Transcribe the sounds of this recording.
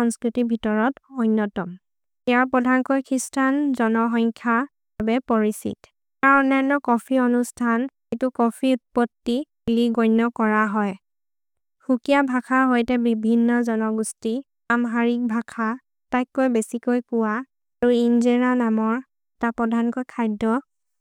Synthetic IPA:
ɔŋskɹitibʱitɔɹɔtojnːɔtɔm | ɛaɹpɔdʱankɔjkʰistʰanzɔnɔɦɔŋkʰa | babɛpɔɹisḭt | kaɹɔnɛnɔkɔpʰiɔnustʰan | etukɔpʰiut̚pɔtːi | liɡɔjnːɔkɔɹaɦɔj | xukijabʱakʰaɦojtɛbibʱinːɔzɔnɔɡusti | amɦaɹik̚bʱakʰa | tajkːojbesikojpʊwa | aɹuinzenanamɔɹ | tapɔdʱankojkʰajdɔ

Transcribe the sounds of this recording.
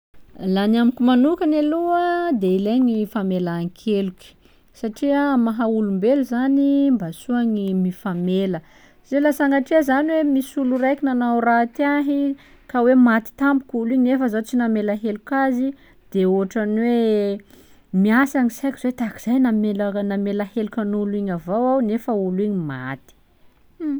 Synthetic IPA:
lanamikʲumanukaneluəd̪eileɲifamelaːŋkʰeluki̥ | saʈ͡ʂiamaɦaulumbeluzanimbasuaŋimifamelə | zelasaŋɡaʈ͡ʂeəzanwemisuluɾajkʲinanawrat̪aɦi | kawemat̪i̥t̪ambu̥kʲuliɲnefəzat͡sinamelaɦelukazi | d̪̥eoɦaʈ͡ʂanwe | miasaŋisajkizet̪aki̥z̥ajnamelnamelahelukʲanuliɲavawawnefəuliɲima̰t̪i̥

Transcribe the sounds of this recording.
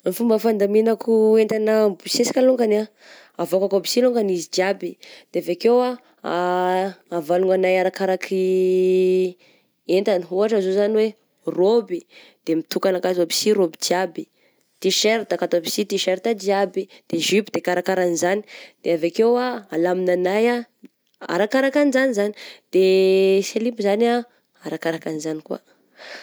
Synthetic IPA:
nfumbəfand̪aminakuent̪anabisesi̥kaluŋɡana | avokakobisiloŋɡanizid͡ʒ̪iabid̪̥eavekewa | aː | valuŋanajaɾakaɾakʰi | ent̪aniɦuaʈ͡ʂazozaniwe | robi | d̪̥emit̪ukanakazabi̥siɾobid͡ʒiabi | t̪iʃeɾt̪akat̪oabisit̪iʃɛɾt̪ad͡ʒiabid̪̥eʒipd̪ekaɾakaɾanizani̥d̪̥eavakewaalaminanaja | a̰ɾakaɾakanizanizani̥d̪̥eselibizana | aɾakaɾakanizanikua̰

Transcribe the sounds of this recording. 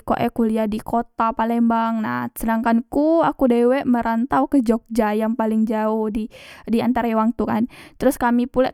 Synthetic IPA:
ko̰ʔɛ̰kuliadikot̪apalɛmbaŋna̰hsənaŋkankuakudewɛʔməɾant̪awkəd͡ʒok̚d͡ʒajaŋpalɪŋd͡ʒaʊhdidiant̪aɾajwaŋt̪ukant̪əɾʊskamipula̰

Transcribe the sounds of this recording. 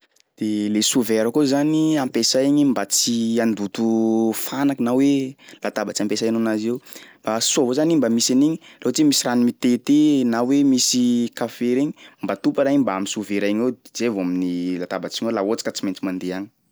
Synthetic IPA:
d̪̥elesuveɾakuzaniampesajɲimbat͡siand̪ut̪ufanaknawelat̪abat͡siampesajanonazewmbasuavozanimbamiseniɲiloat͡simisiranimit̪et̪enawemisikafeɾeɲimbat̪upaɾaɲimbaamisuveɾajŋed͡zevoaminilat̪abat͡siŋwelaot͡si̥kat͡siment͡simand̪eaŋi

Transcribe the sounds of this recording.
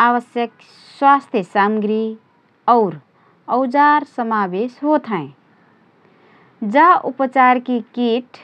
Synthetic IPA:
aʋəsjək | swast̪ʰjəsamɡɾi | ɔʊɾ | əʊd͡ʒaɾsəmabesɦot̪ʰɦə̃ | d͡ʒaʔupət͡ʃaɾkikiʈʰ

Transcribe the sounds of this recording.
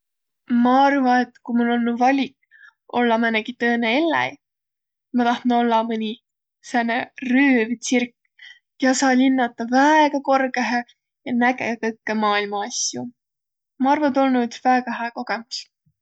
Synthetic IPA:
mɑɑrvɑet̪ːkumulːo̞lnuvɑlʲik | o̞lːɑmæneɡ̥it̪ɤːneelːæ̰j | mɑt̪ɑht̪no̞lːɑmɯnʲi | sæneryːvt̪sirkː | jɑsɑːlinːɑt̪ˑːɑvæeɡ̥ɑko̞rɡeɦe | jɑnæɡekɤkːemɑːilmɑɑsjṵ | mɑɑrvɑt̪o̞lnud̪̥væeɡ̥ɑɦæːko̞ɡ̥e̞mus

